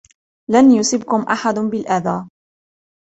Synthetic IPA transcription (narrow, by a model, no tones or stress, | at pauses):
lanjʊsɪbkʊmʔaħad̪bɪlʔaðaː